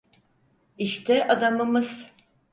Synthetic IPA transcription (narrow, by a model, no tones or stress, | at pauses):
iʃt̪ʰɛʔad̪amɯmɯz̥